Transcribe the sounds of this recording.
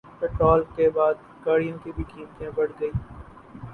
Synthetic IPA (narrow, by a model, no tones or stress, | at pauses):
pɪʈɾɔːlkebaːd̪ | kaːɽijõːkibʱiʈʰĩːmt̪ẽbəɽɡəiː